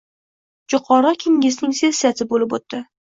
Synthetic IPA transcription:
d͡ʒʊqʰɒɾɒkʲʰɪŋʲɪznɪŋsesat̪ʰɪbolɪpot̪ːɪ

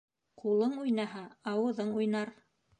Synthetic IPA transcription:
qʰulˠɤɴujnɑɦɑɑwɤ̆ðɤɴujnɑɾ

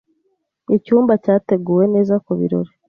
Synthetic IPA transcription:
icuːmbacaːte̞ɡuːwe̞ne̞ːzakuβḭɾo̞̰ɾe

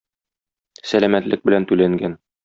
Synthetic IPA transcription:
sælæmæt̪lɘk̚bɘ̆lænt̪ʉlæŋɡæn

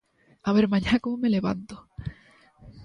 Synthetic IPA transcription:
aβeɾmãɲakomomeleβa̰nt̪o

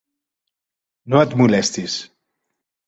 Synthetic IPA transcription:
noət̪mulɛst̪is

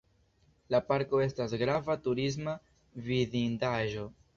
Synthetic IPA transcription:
lapaɾko̞e̞stasɡɾavatuɾis̬ma | vizindaʒo̞

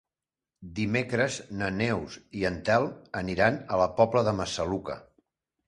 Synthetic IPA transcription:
d̪imekɾəznənewziənt̪ɛlˠəniɾanələpɔpləðəməsəlukə̰

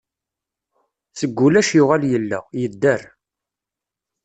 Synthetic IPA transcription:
səɡʷːulæʃjʊʁaljəlːæ̰jəd̪ːəɾ

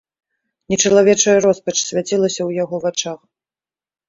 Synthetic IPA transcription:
nʲɛt͡ʂɐlˠavʲɛt͡ʂɐjɐɾɔspɐt͡ʂsʲvʲat͡sʲilˠɐsʲɐwjaɣɔvat͡ʂax

